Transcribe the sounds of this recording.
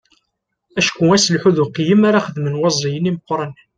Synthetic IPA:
æʃkʊæsəlħuðuqijəmaɾaχəðmənwɑzˤijəniməqːɾˤən

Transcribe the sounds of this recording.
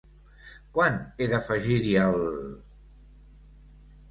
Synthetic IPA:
kwaneðəfəʒiɾiəl

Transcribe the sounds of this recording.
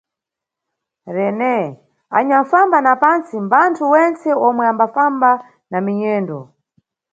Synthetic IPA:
ɾɛnɛ | a̰ɲaɱfambanapant͡simbantʰuwɛnt͡sɛɔmwɛambafamba | namiɲɛːndɔ

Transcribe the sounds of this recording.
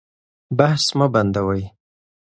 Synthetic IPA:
bahsmaband̪awaj

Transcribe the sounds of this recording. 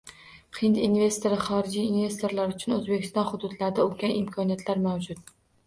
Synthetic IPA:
qʰɪnt̪inve̞st̪o̞ɾɪχɒɾɪd͡ʒijːnve̞st̪ʰo̞ɾlaɾʊt͡ʃʰʊnɵzbe̞kʲɪ̥st̪ɒnχʊd̪ʊd̪laɾɪd̪aolɡʲanɪmkʰɒnijat̪ʰlaɾmawd͡ʒʊt̪̚

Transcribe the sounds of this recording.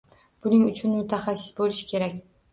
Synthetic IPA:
b̥ʊnɪŋʊt͡ʃʰʊnmʊt̪ʰaχasːɪ̥sbolɪʃɪ̥kʲʰe̞ɾakʲ

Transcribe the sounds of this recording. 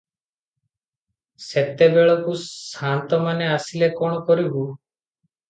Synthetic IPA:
set̪ebeɭɔkusant̪ɔmaneasilekɔɽ̃ɔkɔɾibu

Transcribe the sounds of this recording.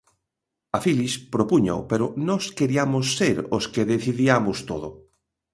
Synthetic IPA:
afilispɾopuɲa̰opeɾonɔskeɾiamosːeɾoskeðeθiðiamost̪oðo

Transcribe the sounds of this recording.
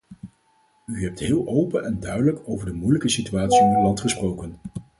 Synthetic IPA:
yɦɛp̚tɦɪːlˠʔowpənʔɛndœɥdələkowvəɹdəmujləkəsityaːtsiɔnylɑntχəsprowkən

